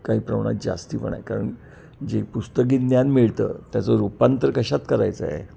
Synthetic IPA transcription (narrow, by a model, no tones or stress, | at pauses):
kaɦiːpɾəʋɳ̃a̰t̪̚d͡za̰st̪iːpəɳ̃a̰jkaɾəɳ | d͡ʑepust̪ək̬iːt̪njanmiɭt̪ə̰ːt̪jat͡sɔɾupant̪əɾkəɕat̪kəɾa̰jt͡sə̰ɦḛ